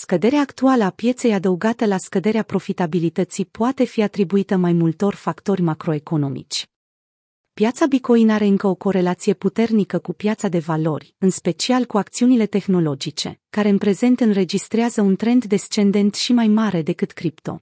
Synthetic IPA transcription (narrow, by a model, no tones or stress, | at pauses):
skəd̪e̞ɾeaːkt̪ualəapje̞t̪se̞jad̪əuɡat̪əlaskəd̪e̞ɾeapɾo̞fit̪abilit̪ət̪sipuat̪e̞fiat̪ɾibuit̪əmajmult̪o̞rʲfakt̪o̞rʲmakɾo̞e̞ko̞no̞mḭt͡ʃʲ | pjat̪sabiko̞inaɾe̞ɨŋkəo̞ko̞ɾe̞lat̪sije̞put̪e̞rnikəkupjat̪sad̪e̞valo̞rʲɨnspe̞t͡ʃialkuak̚t̪siunile̞t̪e̞xno̞lo̞d͡ʒit͡ʃe̞̰kaɾe̞ɨnpɾe̞ze̞nt̪ɨnre̞d͡ʒist̪ɾeazəunt̪ɾe̞nt̪d̪e̞st͡ʃe̞nd̪e̞nt̪ʃimajmaɾe̞d̪e̞kɨt̪kɾipt̪o̞̰